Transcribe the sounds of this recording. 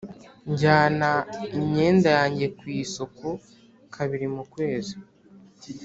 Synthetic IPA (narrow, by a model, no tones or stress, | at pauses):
ɲɟaːnaimɲe̞ːndajaːɲɟe̞kwiːso̞ko | kʰaβiɾimukwe̞ːzi̥